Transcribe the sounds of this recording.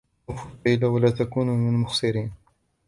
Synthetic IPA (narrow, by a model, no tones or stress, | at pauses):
ʊfuajlawalaːt̪akuːnumɪnlmʊxsˤɨɾiːn